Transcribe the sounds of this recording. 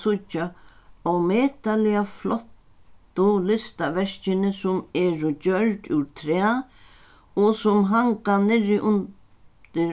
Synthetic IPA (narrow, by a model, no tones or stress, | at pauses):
sʊt͡ʃːaɔwmɛːt̪alɪaflɔht̪ː | ʊlɪst̪aʋɛʂt͡ʃɪnɪsʊmɛːɾʊt͡ɕœlt̪ʉ̰wt̪ʰɾɛː | ɔsʊmɦaŋkanɪɾɪʔʊn | t̪ɪ